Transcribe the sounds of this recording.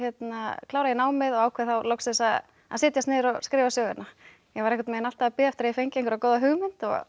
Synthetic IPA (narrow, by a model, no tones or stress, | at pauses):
jɛt̪nakʰlaːwɾajɛnaːwmɪðɔɣaːwkʰɛθawlowksɪsað | a̰sɪːt̪jast̪nɪːðɾɔskɾɪːvasjœːɣɪ̰na | jɛɣvaɾɛhkat̪mɛɪnal̥t̪aapɪːðɛft̪ɾaifejɲcɪẽŋkʏɾakoːwðaɦʏɣmʏn̥t̪ɔ̰